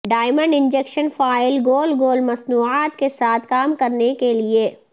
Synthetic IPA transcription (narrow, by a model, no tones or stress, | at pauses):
ɖaːɪmə̃ɳɖɪ̃nd͡ʒeːkʃənfaːɪlɡoːlɡoːlmɐsnuːaːt̪kesaːt̪ʰkaːmkɐɾnekelie